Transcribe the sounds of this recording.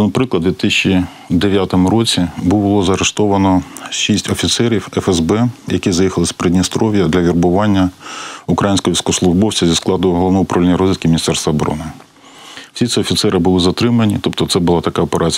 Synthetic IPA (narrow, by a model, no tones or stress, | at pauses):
ɪnpɾɪklˠɐd̪ʋʲit̪ɪsʲt͡ʃi | d̪eʋʲjat̪ɔmʊɾɔt͡sʲibʊlˠɔzɐɾeʃt̪ɔʋɐnɔʃisʲtʲɔfʲit̪sɛɾʲiwɛfɛzbɛjɐkʲizɐjixɐlˠɪsʲpɾedʲnʲist̪ɾɔʋʲjɐd̪lʲɐʋʲirbʊʋɑnʲːɐʊukɾɐjinʲsʲkɔjɔʋʲiskɔslˠʊʒbɔwt͡sʲɐzʲisklˠɑd̪ʊɦɔlˠɔʋnɔʊpɾɐʋlʲɛnʲːɐɾɔzʲʋʲit̪kʲɪmʲnʲist̪ɛɾst̪ʋɐːbɔɾɔ̰nɪ | wsʲisʲiɔfʲit̪sɛɾɪbʊlˠɪzɐt̪ɾɪmɐnʲit̪ɔp̚t̪ɔt̪sɛbʊlˠɑt̪ɐkɑɔpeɾʔɑt͡sʲ